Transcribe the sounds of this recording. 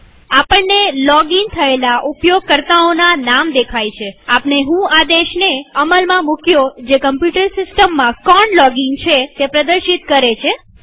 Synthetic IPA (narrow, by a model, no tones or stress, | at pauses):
apəɳnelɔɡiŋ̚t̪ʰəelaʔupjoɡ̚kəɾt̪aonanamd̪ekʰajt͡ʃʰeapneɦũad̪eʃneəməlmãmũkjod͡ʒekəmpjuʈəɾsɪsʈəmːãkɔɳlɔɡɪŋɡt͡ʃʰet̪epɾəd̪əɾʃit̪kəɾet͡ʃʰe